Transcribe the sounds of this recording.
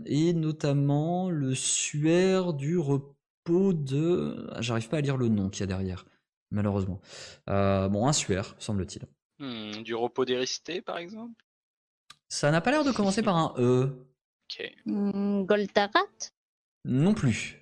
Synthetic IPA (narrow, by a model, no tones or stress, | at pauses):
enɔt̪amɑ̃ləsɥyɛʁd̪yʁə | pod̪əɛ̰̃ʒaʁivpaːliʁlənɔ̃kʲiad̪ɛʁjɛːʁ | maløʁøzmɑ̃øbɔ̃ɛ̃sɥɛːʁsɑ̃blət̪ʰḭl̩ | d̪yʁəpod̪eʁist̪epa̰ʁɛɡzɑ̃pl | sanapalɛʁd̪əkɔmɑ̃sepaʁɛ̃ʔø | okʰʲḛ | ɡɔlt̪aʁat̪ | nɔ̃ply